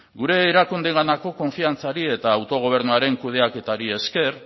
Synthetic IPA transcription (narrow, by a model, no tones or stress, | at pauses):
ɡuɾe̞ːɾakund̪eŋɡanako̞ko̞ɱfiant͡saɾie̞t̪aːwt̪o̞ɣ̞o̞β̞e̞ɾnuaɾe̞ŋkuð̞e̞ake̞t̪aɾie̞ske̞r